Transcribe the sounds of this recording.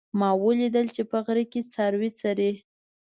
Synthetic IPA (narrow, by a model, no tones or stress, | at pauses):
mɑwəlid̪əlt͡ʃepəɣɾikisaɾwisaɾe